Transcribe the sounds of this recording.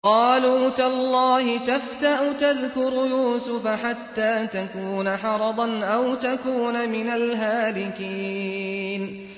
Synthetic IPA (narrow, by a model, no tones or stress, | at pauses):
qɑːluːt̪alˤːɑːhɪt̪aft̪aʔʊt̪aðkʊɾjuːsʊfaħat̪ːaːt̪akuːnaħɑɾˤɑd̪ˤɑnʔawt̪akuːnamɪnalɦaːlɪkiː | n